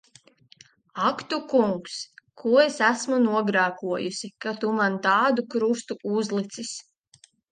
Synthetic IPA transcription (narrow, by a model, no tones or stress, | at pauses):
akt̪ukuŋkskʰuɔesæsmunuɔɡɾaːkuɔjusikat̪umant̪ɑːd̪ukɾust̪uʔuzlˠit̪sis